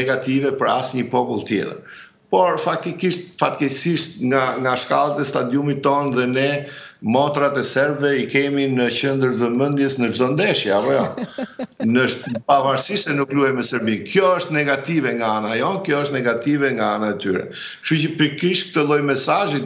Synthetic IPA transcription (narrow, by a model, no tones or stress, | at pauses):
nɛɡat̪ivɛpəɾasɲəpɔpulˠt̪jɛ̰t̪ə̰ɾ | pɔɾfak̚t̪ikiʃt̪̚fat̪kɛsiʃt̪ŋɡaŋɡaʃkalˠət̪ɛst̪ad̪jumit̪ːɔnðɛnɛ | mɔt̪ɾat̪ɛsɛɾbvɛikɛminəcənd̪əɾðəmənd̪jɛsnəʒd̪ɔnd̪ɛʃjɛapɔjɔ | nəʃpavaɾsiʃsɛnukluamɛsɛɾbinkjɔəʃt̪nɛɡat̪ivɛŋɡaanajɔnkjɔəʃt̪nɛɡat̪ivɛŋɡaanaɛt̪yɾɛ̰ | ʃucəpɾikiʃtk̚t̪əlˠɔjmɛsaʒi